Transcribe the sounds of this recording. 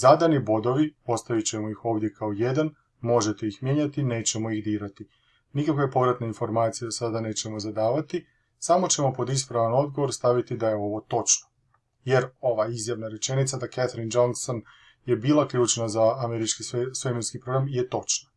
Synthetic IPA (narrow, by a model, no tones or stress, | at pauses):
zad̪anibo̞d̪o̞ʋio̞st̪aʋit͡ɕe̞mojixo̞ːʋd̪je̞kʰaoje̞d̪an | mo̞ʒe̞t̪e̞ixmje̞ɲat̪ine̞ːt͡ɕe̞mo̞ixd̪iːɾat̪i | nikakʋejepo̞ʋɾat̪nainfo̞ɾmaːt̪sijsad̪ane̞ːt͡ɕe̞mo̞zad̪aːʋat̪i | samo̞t͡ɕe̞mo̞po̞d̪is̬pɾaʋano̞d̪̚ɡo̞ʋo̞ɾst̪aʋit̪id̪aje̞o̞ʋo̞t̪o̞t͡ʃno | je̞ɾo̞ʋaizjaʋnaɾe̞t͡ʃe̞nit̪sad̪akat̪ɾind͡ʒonkson | je̞biːlˠakʎuːt͡ʃnazaːme̞ɾit͡ʃkiseseminskipɾo̞ɡɾamije̞t̪o̞t͡ʃna